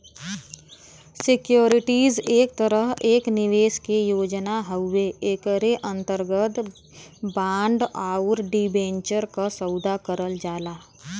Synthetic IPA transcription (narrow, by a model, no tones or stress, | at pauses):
sɪkjoːɾɪʈiːzeːk̚t̪əɾəɦeːknɪʋeːʃkejoːd͡ʒnaɦəʊːeeːkəɾeʔə̃nt̪əɾɡət̪ | bãːɳɖaːʊɾɖibẽːɲt͡ʃəɾkasəʊd̪ʱakəɾəld͡ʒaːlaː